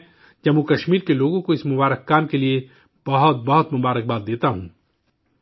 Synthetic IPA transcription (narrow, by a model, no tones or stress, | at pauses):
d͡ʒɐmukɐʃmiːɾkeloːɡõkoɪsmʊbaːɾəkːaːmkelie | b̥ɐɦʊt̪̚bɐɦʊt̪mʊbaːɾək̚baːt̪̚d̪eːt̪aɦũː